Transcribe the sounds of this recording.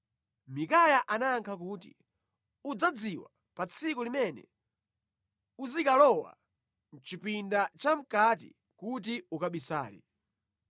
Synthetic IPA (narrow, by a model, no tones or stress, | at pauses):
mikajaʔanaːŋkʰakuːtḭ | ud͡zad͡ziwa | pat͡sʰikulimɛnɛ̰ | uzikalɔwa̰ | nt͡ʃipindat͡ʃam̩kat̬ḭ | kut̬iukaɓisa̰ːlḭ